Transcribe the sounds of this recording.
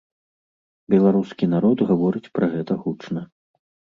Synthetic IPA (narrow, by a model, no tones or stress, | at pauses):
bʲɛlˠaɾuskʲinaɾɔd̪ɣavɔɾɨt͡sʲpɾɐɣɛt̪ɐɣut͡ʂnɐ